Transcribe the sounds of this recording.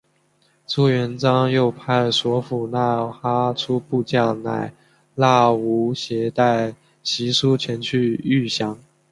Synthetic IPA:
t͡su˥˩ɥɛ˧˥nt͡sɑ˥ŋjo˥˩ʊpʰa˥˩ɪswɔ˧˥fu˨˩na˥˩xa˥ʈ͡ʂʰu˥pu˥˧t͡ɕja˥˩na̰˨˩˦ɪ | la˥˩u˧˥ɕjɛ˧˥t̪a˥˩ɪ | ɕi˧˥ʂu˥t͡ɕʰɛ˧˥nt͡ɕʰy˥˧y˥˩ɕjɑ˧˥ŋ

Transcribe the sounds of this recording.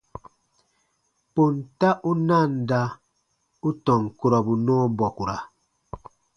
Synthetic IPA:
po˨nta˦ʔu˦na˦˨n˨da˦ | u˦tɔ˨ŋ˨ku˨ɾɔ˨bu˨nɔː˦bɔ˨ku˨ɾa̰˨

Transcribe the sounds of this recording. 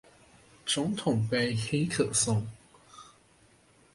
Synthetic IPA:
t͡sʊ˧˥ŋt̪ʰʊ˨˩ŋpe˥ɪxe˥ɪkʰɤ˨˩sʊ˥ŋ

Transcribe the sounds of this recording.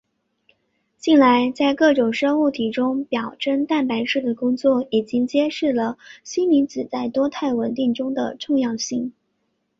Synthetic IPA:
t͡ɕi˥˩nla˧˥ɪt͡sa˥˧ɪkɤ˥˩ʈ͡ʂʊ˨˩ŋʂɤ˥ŋu˥˩t̪ʰi˨˩ʈ͡ʂʊ˥ŋpjɑ˨˩ʊʈ͡ʂə˥nt̪a˥˩npa˧˥ɪʂɻ̩˥˩d̪ə˩kʊ˥ŋt͡swɔ˥˩i˨˩t͡ɕi˥ŋt͡ɕjɛ˥ʂɻ̩˥˩lə˩ɕi˥nmi˧˥nt͡sɹ̩˨˩t͡sa˥˩ɪt̪wɔ˥t̪ʰa˥˩ɪwə˨˩nt̪i˥˩ŋʈ͡ʂʊ˥ŋd̪ə̰˨ʈ͡ʂʊ˥˧ŋjɑ˥˧ʊɕi˥˩ŋ

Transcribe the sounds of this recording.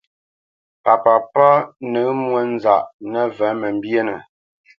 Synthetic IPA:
pa˨pa˨pa˦nə˨˦mwə˦n˦za˨ʔnə˦vɛ˨˦mə˨m̩˦bje˦nə˨

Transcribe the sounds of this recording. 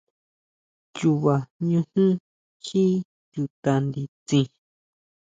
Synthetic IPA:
t͡ʃu˧βa˨ɲũ˧hũ˦ | xi˦ | ju˧t̪a˧nd̪i˧t͡sĩ˧

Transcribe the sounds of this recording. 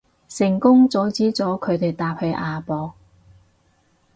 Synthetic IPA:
sɪ˨˩ŋkʊ˥ŋt͡sɔː˨˥t͡siː˨˥t͡sɔː˨˥kʰɵ˨˧ɥt̪e˨jt̪aː˧p̚hɵ˨˧ɥʔaː˨˧pɔː˧k̚

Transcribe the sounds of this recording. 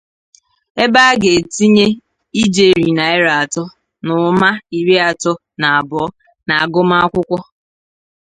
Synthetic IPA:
e˦ba˦ɡe˨ti˦ɲe˦ | i˦d͡ʒe˨ɾi˨na˨e˦ɾa˨tɔ˦ | nʊ˨˦ma˦i˨ɾe˦a˨tɔ˦ | na˨a˨bɔ˨˦ | na˨a˨ɡʊ˦ma˦a˦kʷʊ˦kʷɔ˦

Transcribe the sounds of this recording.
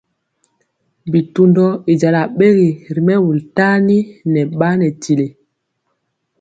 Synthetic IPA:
bi˨tu˨ndɔ˦i˨d͡ʒa˨la˨ɓe˦ɣi˨ɾi˨mɛ˦wu˨lta˦ni˦nɛ˨ɓa˦nɛ˨ti˨le˨

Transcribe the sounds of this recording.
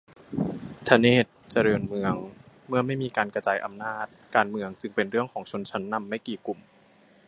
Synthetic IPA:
t̪ʰa˧neː˥˩t̪̚t͡ɕa˧ɾɤː˧nmɯ˧əŋ | mɯ˥˩ɐma˥˩jmiː˧kaː˧nka˧t͡ɕaː˧jʔa˧mnaː˥˩t̪̚kaː˧nmɯ˧əŋt͡ɕɯ˧ŋpe˧nɾɯ˥˩əŋkʰɔː˩˦ŋt͡ɕʰo˧nt͡ɕʰa˦˥nːa˧mːa˥˩jkiː˨˩ku˨˩m

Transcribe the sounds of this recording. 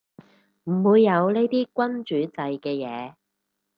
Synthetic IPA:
m̩˨˩wuː˨˧jːɐ˨˧wne˥jt̪iː˥kʷɐ˥nt͡ʃyː˨˥t͡sɐ˧jkɛː˧jɛː˨˧

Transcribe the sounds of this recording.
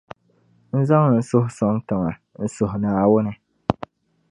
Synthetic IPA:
n̩˦za˦ŋ˨n̩˦sʊ˦hʊ˨˦sɔ˦ŋtɪ˨ŋa˨ | n̩˦sʊ˨hʊ˨naː˨wʊ˦nɨ˨

